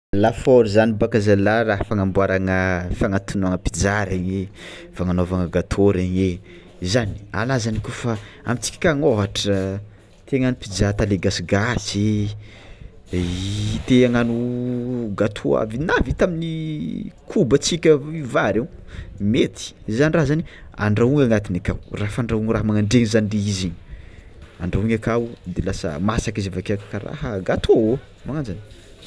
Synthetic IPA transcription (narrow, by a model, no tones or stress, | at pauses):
lafoɾzanibakazalaraɦafaŋambuaɾaŋəfaŋat̪unaŋəpi̥d͡zaɾaɲefaŋanovaŋəɡat̪ʰoɾeɲe | zani̥a̰lazanikufa | a̰mit͡si̥kʲi̥kaŋoɦaʈ͡ʂə | t̪eaŋanupid͡zaɾt̪aleɡasiɡasi | t̪eaŋanu | ɡat̪ʰua̰vinavit̪amini | kʰubət͡sikʲəivaɾewmet̪i̥zzaniraɦzania̰ɳɖ͡ʐauŋaŋat̪inakawrafaɳɖ͡ʐauŋraɦəmaŋaɳɖ͡ʐeŋizaniɖ͡ʐeiziɲ | a̰ɳɖ͡ʐauŋakawd̪elasə̰masakizavakakkaɾa̰həɡat̪uao | maŋand͡ʒani̥